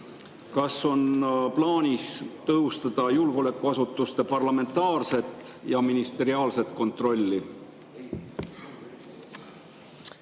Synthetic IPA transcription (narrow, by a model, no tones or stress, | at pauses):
kɑsːo̞nplɑːnʲist̪ɤɦust̪ɑd̪̥ɑjulɡ̥ole̞kːˑuɑsut̪ːˑust̪e̞pɑrlɑme̞nt̪ɑːrse̞t̪ːˑjɑminist̪e̞ɾiɑːlse̞t̪ˑko̞nt̪ːˑro̞lʲːi